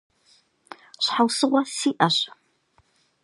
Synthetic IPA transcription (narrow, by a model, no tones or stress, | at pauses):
ɕħawsɨʁʷɐsiːʔɐɕ